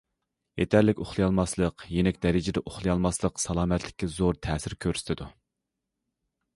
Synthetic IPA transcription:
jet̪ʰæɾlɪkʲoχlˠɨjɑlˠmɑslˠəqjenɛkʲd̪ɛɾɪd͡ʒɪd̪ɛʔoχlˠɨjɑlˠmɑslˠəqsɑlˠɑːmɛt̪lɪ̥kʲːɛzoɾt̪ʰɛːsɪɾkʲʰøɾsɪ̥t̪ʰɪd̪u

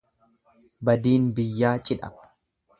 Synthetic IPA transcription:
bɐd̪iːnbɪjːaːt͡ʃʼɪᶑɐ̰

